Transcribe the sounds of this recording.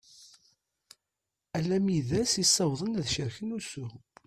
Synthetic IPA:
ælæmjiðæsisˤːɑwðˤənæðʃəɾçənusu

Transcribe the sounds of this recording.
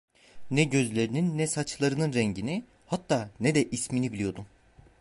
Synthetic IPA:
nɛɟø̞zlʲe̞ɾininːɛsat͡ʃlˠaɾɯnɯnɾɛɲɟini | hat̪ːaːnɛd̪ɛʔisminibilʲijo̞d̪u

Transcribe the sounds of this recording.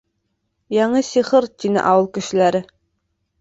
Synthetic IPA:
jɑɴɤsiʁɤɾt̪ʲinɘ̰ʔɑwɤlˠkɘ̆ʃɘ̆læɾɘ

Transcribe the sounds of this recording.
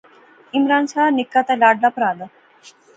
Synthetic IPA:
imɾaːnsaːnikːat̪ɐlaːɖlapɾaːd̪ɐ

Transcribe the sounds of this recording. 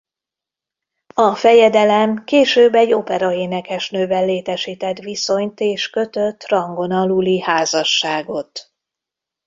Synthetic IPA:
ɒfɛjɛd̪ɛlɛmkeːʃøːbɛɟːo̞pɛɾɒeːnɛkɛʃnøːbɛlːeːt̪ɛʃiːt̪ɛt̪ʋiso̞ɲt̪eːʃkø̞t̪øt̪ːrɒŋɡo̞nɒlulihaːzɒʃːaːɡo̞t̪

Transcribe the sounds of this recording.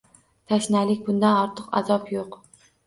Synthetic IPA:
t̪ʰaʃnalɪkʲbʊnd̪anɒɾt̪ʰɨqa̰zɒpjoq

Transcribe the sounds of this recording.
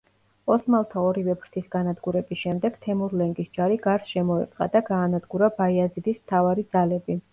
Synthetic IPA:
ɔsmalˠt̪ʰaɔɾivɛpʰɾt̪ʰisɡ̥anad̪ɡuɾɛbisʃɛmd̪ɛɡ̥t̪ʰɛmuɾlɛŋɡisd͡ʒaɾiɡaɾsʃɛmɔɛ̰t̪ʼqʼa̰d̪aɡaːnad̪ɡuɾabaiazid̪ismt̪ʰavaɾid̪zalɛbi

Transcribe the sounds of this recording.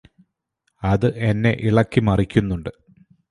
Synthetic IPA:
ɐðɨʔenːe̞̰ʔiɭɐkːimɐrikʲːunːuɳɖɨ

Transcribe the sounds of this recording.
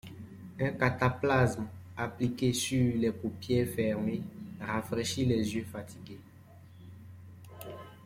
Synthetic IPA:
ɛ̃kat̪aplasmaplikesylɛpupjefɛʁmeʁafʁeʃilɛzjøfat̪ʰiɡe

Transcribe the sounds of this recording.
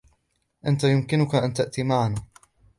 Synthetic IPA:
ʔant̪ajʊmkɪnʊkaʔant̪aʔt̪iːmaʕana

